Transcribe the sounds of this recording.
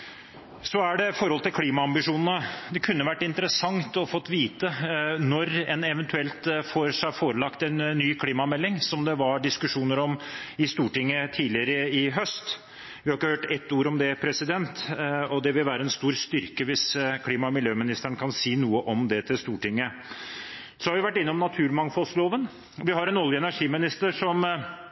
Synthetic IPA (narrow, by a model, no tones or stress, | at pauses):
sɔæɖɛfɔɾhɔlət̪ɪlkʰliːmɑɑmbɪʂuːnənəd̪ɛkʰʉnːəʋæʈːɪnt̪əɾəsɑŋt̪ɔfɔt̪ːʋiːt̪ənɔɾɛnɛʋɛnt̪ʰʉɛlt̪foɾʂæfoːɾəlɑkt̪ɛnːyːkʰliːmɑmɛlːɪŋsɔmd̪ɛʋɑɖɪskʉʂuːnəɾɔmɪst̪uːʈɪŋːət̪ʰiːlɪəɾəɪɦœst̪ | ʋɪhɑɾɪkːəhøːʈɛt̪ːuːɾɔmd̪ɛpʰɾɛsɪd̪ɛnt̪ɔd̪ɛʋɪlʋæːɾəɛnst̪uːɾst̪ʏɾkəʋɪskʰliːmɑmɪljøːmɪnɪst̪æɳəkʰɑnsiːnuːəʔɔmd̪ɛt̪ʰɪlst̪uːʈɪŋːə | sɔhɑɾʋɪʋæʈːɪnːəɔmnɑt̪ʰʉːɾmɑŋfɔlsloːʋən | ʋɪhɑɾɛnɔljəɛnæʂiːmɪnɪst̪əɾʂɔm